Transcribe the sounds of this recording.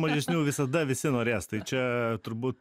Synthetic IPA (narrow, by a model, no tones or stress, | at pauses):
mɐʒʲɛsʲnʲuːʋʲɪsɐd̪ɐʋʲɪsʲɪnoːɾʲeːst̪ɐɪt͡ʃʲɛt̪ʊɾbuːt̪